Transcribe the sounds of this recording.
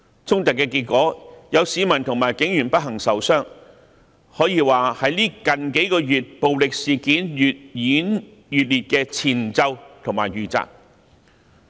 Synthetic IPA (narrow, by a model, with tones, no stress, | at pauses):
t͡sʰʊ˥ŋt̪ɐ˨kːɛː˧kiː˧t̚kʷɔː˨˥jɐ˨˧wsiː˨˧mɐ˨˩nt̪ʰʊ˨˩ŋmaː˨˩jkɪ˨˥ŋjyː˨˩npɐ˥t̚ɦɐ˨˩ŋsɐ˨˥wsœː˥ŋ | hɔː˨˥jiː˧waː˨hɐ˨˥jliː˥kɐ˨nke˨˥jkɔː˧jyː˨t̚po˨wlɪ˨k̚siː˨kiː˨˥ny˨t̚jiː˨˥n | jyː˨t̚liː˨˩t̚kɛː˧t͡sʰiː˨˩nt͡sɐ˧wt̪ʰʊ˨˩ŋmaː˨˩jyː˨t͡sa̰ː˧k̚